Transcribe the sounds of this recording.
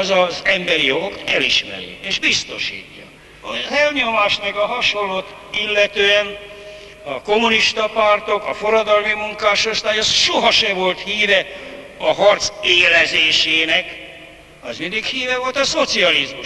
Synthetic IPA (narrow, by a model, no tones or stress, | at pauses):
zɒzɛmbɛɾijo̞ɡo̞kt̪ɛliʃmɛ̰ɾḭeːʒbist̪o̞ʃḭːcːɒ̰ | ɒzɛlɲo̞maːʃt̪mɛɡɒɦɒʃo̞lːoːt̪ | ilːɛt̪øːɛn | ɒko̞muniʃt̪ɒpart̪o̞kɒfo̞ɾɒd̪ɒlmimuŋkaːʃo̞st̪aːjɒsʃoɦɒʃɛvo̞lt̪hiːvɛ | ɒɦɒrt̪seːlɛzeːʃeːnɛk | ɛzmind̪ikhiːvɛvo̞lt̪ɒso̞t̪siɒlizmuʃ